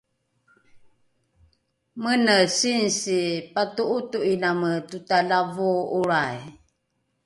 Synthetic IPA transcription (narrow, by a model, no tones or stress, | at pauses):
mənəsinsipatuʔutuʔinamətutalavuuɾaj